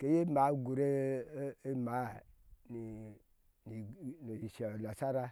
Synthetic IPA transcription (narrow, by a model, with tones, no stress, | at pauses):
ke˨˦je˦ma˨˦ɡu˨ɾe˦ | e˦ma˨˦ni˨ | ni˨no˨ʃla˨sa˦ɾa˦